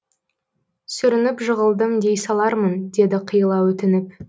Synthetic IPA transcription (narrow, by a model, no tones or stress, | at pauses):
sʏɾɪnɪpʒəʁəlˠd̪əmd̪e̞jsɑlˠɑɾmənd̪e̞d̪ɪqʰəjəlˠɑwɵt̪ɪnɪp